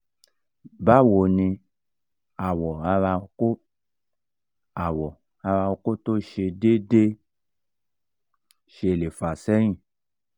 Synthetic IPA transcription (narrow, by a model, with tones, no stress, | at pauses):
ba˦˨wo˨nĩ˧ | a˨wɔ˨a˧ɾa˧o˧ko˦ | a˨wɔ˨ | a˧ɾa˧o˧ko˦to˦ʃe˧de˦de˦ | ʃe˧˨le˨fa˨sɛ˦ɾ̃ĩ˦˨